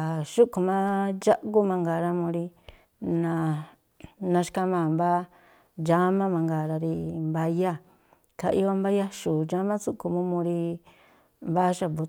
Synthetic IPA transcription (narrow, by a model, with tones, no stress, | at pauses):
ʃu˦ku˨mã˦d͡ʒa˦ʔɡu˦mã˧ŋɡa˨ɾa˧mũ˧ɾi˧ | nã˨ | nã˧ʃka˧mã˧˨mba˦ | d͡ʒa˦mã˦mã˧ŋɡa˨ɾa˧ɾi˧mba˧ja˦˨ | ka˧ʔi˧o˧mba˦ja˦ʃu˨d͡ʒa˦mã˦su˦ku˧˨mũ˦mũ˧ɾi˧ | mba˦ʃa˨bu˨˧